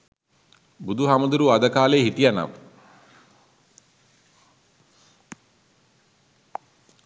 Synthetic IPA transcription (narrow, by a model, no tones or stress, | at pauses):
bud̪uɦaməd̪uɾuad̪əkaːleɦit̪ijana̰m